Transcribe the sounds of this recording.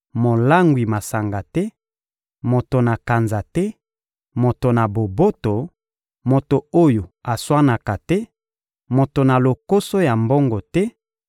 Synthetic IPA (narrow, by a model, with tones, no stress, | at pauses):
mo˨la˦ŋɡwi˨ma˨sa˨ŋɡa˨tɛ˦ | mo˨to˨na˨ka˨nza˨tɛ˦ | mo˨to˨na˨bo˨bo˦to˨ | mo˨to˨o˦jo˨a˨swa˦na˨ka˨tɛ˦ | mo˨to˨na˨lo˨ko˦so˦ja˨mbo˦ŋɡo˨tɛ˦